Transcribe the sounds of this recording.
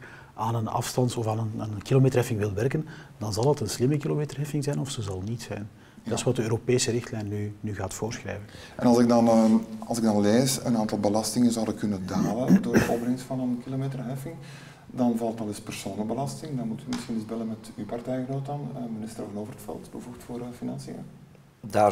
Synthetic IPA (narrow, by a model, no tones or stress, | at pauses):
aːnənɑ̰fstɑntɔfaːnənənkilomeːtərɦɛfɪŋʋɪlˠʋɛrkənd̥ɑnzɑlˠɦətənslɪməkilomeːtərɦɛfɪŋzɛjnɔfsəzɑlˠnitsɛ̰jn | dɪsʋɑt̚dəøːɾopeːsəɾɪxtlɛjnːynyɣaːtfoːrsxrɛ̰ːvən | ʔɛnɑlˠzɪɡ̚dɑnɑlˠzɪɡ̚dɑnleːsə̰naːntɑlˠbəlɑstɪŋənzɑwdəkɵnəndaːləndoːdəɔbrɪŋstfɑnənkilomeːtərɦɛfɪŋ | dɑnvɑlˠtɑlˠɪspɛr̥soːnəbəlɑstɪŋdɑnmutymɪsxinɪzbɛlənmɛtypartɛjɣnoːtanəmɪnɪstərvɑnoːvərətfɛ̰lˠtbəvuxtfoːɾfinɑ̰nsiə̰ | da